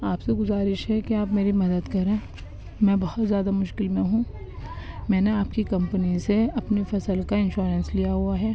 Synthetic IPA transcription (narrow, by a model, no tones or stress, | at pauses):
aːpseɡʊzaːɾɪʃɦɛkeaːpmeːɾimɐd̪əd̪kɐɾẽː | mɛ̃ːbɐɦɔt̪zjaːd̪amʊʃkɪlmẽɦũ | mɛ̃ːneaːpkikɐ̃mpəniseɐpnifɐsəlkaɪ̃nʃuːɾə̃nslijaɦuaɦɛː